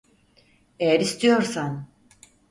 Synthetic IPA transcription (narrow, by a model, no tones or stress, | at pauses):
ejæɾist̪ʰijo̞ɾsan